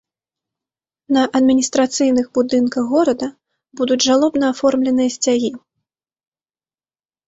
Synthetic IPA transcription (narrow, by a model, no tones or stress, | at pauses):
nɐʔɐd̪mʲinʲist̪ɾat̪sɨjnɨɣbud̪ɨnkɐɣɣɔɾɐd̪ɐ | bud̪ud͡zʲʐalˠɔbnɐafɔrmlʲɛnɨjɐsʲt͡sʲaɣʲi